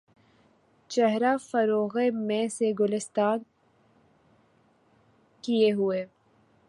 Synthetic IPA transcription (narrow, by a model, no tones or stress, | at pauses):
t͡ʃɛɦɾafəɾoːɣemẽseɡʊlɪst̪aːn | kijeɦueː